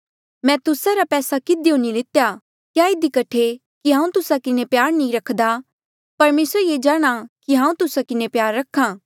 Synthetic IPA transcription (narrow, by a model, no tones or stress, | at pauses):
mɛ̃t̪ʊsaɾapɛːsakɪd̪iõnilɪt̪ja | kjaːɪd̪ikɐʈʰe | kiɦãːũt̪ʊsakɪnepjaːɾnĩɾɐkʰd̪a | pɐɾmeːsəɾjeːd͡ʒaːɽ̃akiɦãːũt̪ʊsakɪnepjaːɾːɐkʰːãː